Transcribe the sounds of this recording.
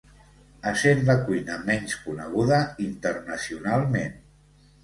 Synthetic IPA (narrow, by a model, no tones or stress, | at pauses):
əsenləkujnəmɛɲskunəɣ̞uðəint̪ərnəsiunalˠmen